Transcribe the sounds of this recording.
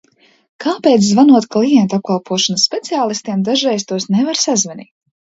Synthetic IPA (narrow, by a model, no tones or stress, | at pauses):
kaːpeːt̪szvanuɔt̪klˠijɛnt̪ap̚kalˠpʰuɔʃɔnɐsːpʲet̪siaːlˠist̪iɛmd̪aʒɛjst̪uɔsnɛvaɾsazvɛnḭː